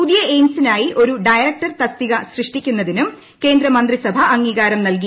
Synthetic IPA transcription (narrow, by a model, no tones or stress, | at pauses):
uðijɐejmsinaːjiʔo̞ɾuɖɐjɐɾɐk̚ʈɐrt̪ɐst̪iɣɐsrɨʂʈikʲːunːɐðinum | ke̞ːnd̪ɾɐmɐnd̪risɐbʱɐʔɐŋːiːɣaːɾɐmnɐlk̬i